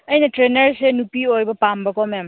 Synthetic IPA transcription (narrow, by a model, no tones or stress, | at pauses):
ɐjnɐtɾenɐɾsenupiojbɐpambɐkɔmam